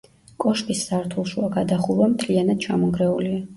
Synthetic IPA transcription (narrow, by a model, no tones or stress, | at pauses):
kʼɔʃpisːaɾt̪ʰulˠʃuaɡad̪aχulˠamt̪ʰlianad̪̥̚t͡ʃʰamɔŋɡɾɛulia